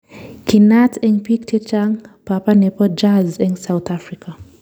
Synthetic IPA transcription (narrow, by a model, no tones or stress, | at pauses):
kinatʰɛŋpik̚tʰet͡ʃaŋpapanepɔd͡ʒazɛŋsawt̪afɾika